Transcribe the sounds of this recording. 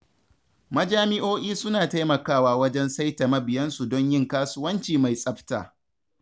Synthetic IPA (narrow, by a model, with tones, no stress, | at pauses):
mɐ˦d͡ʒaː˦mɪ˦ʔoː˦ʔiː˦sʊ˦naː˨ta˦jmɐ˨kaː˦˨waː˦wɐ˦d͡ʒɛ˦nsa˦jtɐ˨mɐ˦bɪ˨jɐ˦nsu˨dɔ˦ɲjɪ˦˨ŋkaː˦sʊ˦wɐ˦nt͡ʃiː˨ma˨jsʼɐ˦ɸta̰ː˨